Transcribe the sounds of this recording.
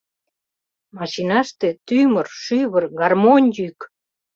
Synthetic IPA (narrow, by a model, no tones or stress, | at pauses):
mɑʃinɑʃt̪et̪ymərʃyβərɡɑrmonʲjyk